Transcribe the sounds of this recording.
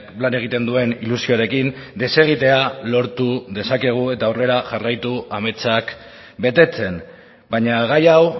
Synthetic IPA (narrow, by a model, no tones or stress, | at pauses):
plane̞ɣ̞it̪e̞nd̪ue̞nilusio̞aɾe̞kind̪e̞se̞ɣ̞it̪e̞alo̞ɾt̪uðe̞sake̞ɣ̞ue̞t̪aowre̞ɾaʝarajt̪uame̞t͡sak | be̞t̪e̞t͡se̞n | baɲaɣajaw